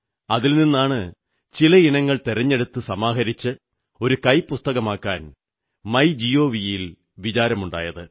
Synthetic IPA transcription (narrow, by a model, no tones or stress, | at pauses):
ɐðilninːaːɳɨ | t͡ɕilɐinɐŋːɐɭt̪irɐɲːe̞ɽut̪ːɨsɐmaːɦɐɾit͡ɕːɨ | o̞ɾukɐjpust̪ɐɣɐmaːkːaːn | mɐjd͡ʑijo̞ːʋijil | ʋit͡ɕaːɾɐmuɳɖa̰ːjɐðɨ